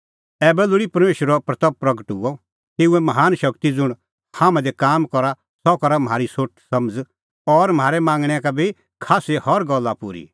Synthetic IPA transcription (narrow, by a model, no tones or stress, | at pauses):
ɛːbɛlʊɽipɐɾmeːʃəɾɔpɾɐt̪əppɾɐɡəʈṵːɔ | t̪eːũɛ̃mɐɦaːnʃɐkt̪id͡zʊɽ̃ | haːmɛ̃d̪ɛkaːmkɔɾa | sɔkɔɾamɦaːɾisoʈʰsɐmd͡z | ɔɾm̤aːɾɛmãːŋɡɽ̃ɛkabʱi | kʰaːsehɔɾɡɔlːapʊɾḭ